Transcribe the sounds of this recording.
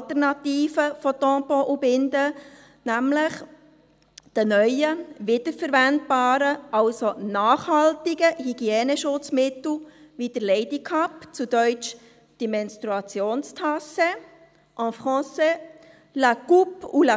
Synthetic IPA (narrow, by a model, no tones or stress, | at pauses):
tɛɾnɑtiːfəfɔt̪ɔ̃ːpɔʔubɪndə | næmləχ | d̥ənœʏəʋɪd̥əɾfəɾʋænt̚b̥aːɾəɑlsonɑːχhɑlt̪iɡəhiɡ̥iɛːnəʃʊt͡smɪt̪l̩ʋid̥əɾlɛɪdikʰɑpt͡sud̥œʏt͡ʃ | d̥ɛmɛnstʁuɑt͡sjoːnstʰɑse | ʔɑ̃fχɑ̃ːse | lakupula